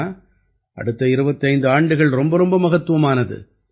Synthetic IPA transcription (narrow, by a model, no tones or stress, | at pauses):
ʔɐ̰ɽɯt̪ːɐɪɾɯbɐt̪ːɐɪnd̪ɯaːɳɖɯɣɐɭɾɔmbɐɾɔmbɐmɐɣɐt̪ːɯʋɐmaːnɐðɯ̰